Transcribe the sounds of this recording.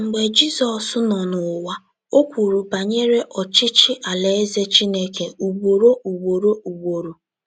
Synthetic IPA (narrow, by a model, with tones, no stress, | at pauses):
ŋ͡m̩˨ɡ͡be˨d͡ʒi˦zɔ˨sʊ˦nɔ˨nʊ˨wa˦ | o˦kʷu˨ɾu˨ba˨ɲe˦ɾe˦ʔɔ˨t͡ʃɪ˦t͡ʃɪ˦ʔa˨le˦e˦ze˦t͡ʃi˦ne˦ke˨u˨ɡ͡bo˨ɾo˦ʔu˨ɡ͡bo˨ɾo˦u˨ɡ͡bo˨ɾo˨